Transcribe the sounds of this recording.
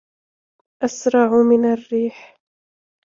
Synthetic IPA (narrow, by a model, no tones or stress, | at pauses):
ʔasɾˤɑʕʊmɪnarːiːħ